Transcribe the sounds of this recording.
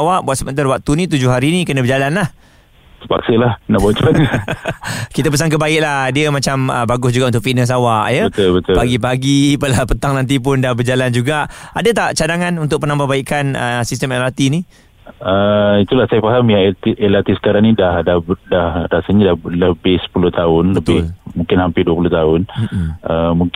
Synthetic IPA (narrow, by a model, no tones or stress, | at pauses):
awaʔbuat̪səmənt̪arwak̚t̪unĩt̪̬ud͡ʒʊhɦaɾinĩkənə̃bəd͡ʒalanlah | təpa̰ksəlahnaʔbɔt͡ʃan | kit̪əpəs̬aŋk̬əbaɪʔ̚lahdiəmãt͡ʃamə̰baɡʊsd͡ʒuɡaʔunt̪ʊkfinəs̬awaʔjəbəʊlbət̪ʊpaɡipaɡipəlapət̪aŋnãnt̪̬ip̬ʊndahbərd͡ʒaland͡ʒuɡaʔadat̪aʔt͡ʃadaŋanunt̪ʊkʔ̚pənãmbahbaikanə̰sist̪əmɛlart̪ini | əit̪ulahsajafaɦamjaŋt̪iʔɛlat̪isə̥kaɾaŋnidahdadahɾasaɲadahləbɪhsə̥pulʊht̪aʊnləbɪmũŋkɪnhampɪduəpulʊht̪aʊnəmũŋk